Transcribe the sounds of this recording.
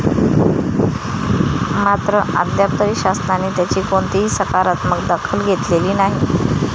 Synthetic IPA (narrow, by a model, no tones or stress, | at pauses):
mat̪ɾəʔa̰d̪jap̚t̪əɾiɕasnaneːt̪jat͡ɕiːkoɳt̪iɦisəkaɾat̪məɡd̪akʰəlɡʱet̪leliːnaɦi